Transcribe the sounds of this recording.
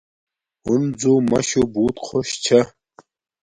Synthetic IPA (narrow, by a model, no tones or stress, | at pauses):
ʊnd͡zuːmɐʃubuːt̪ʼqʰoʃt͡ʃʰɐ